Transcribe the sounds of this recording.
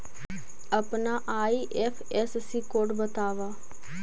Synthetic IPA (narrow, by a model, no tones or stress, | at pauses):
əpnaːʔaːiːʔɛːpʰɛssiːkoːʈbət̪aːʋaː